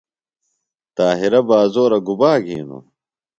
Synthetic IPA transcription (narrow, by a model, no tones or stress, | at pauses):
t̪aːɦiɾɐbaːzoːɾɐɡubaːɡʱiːnṵ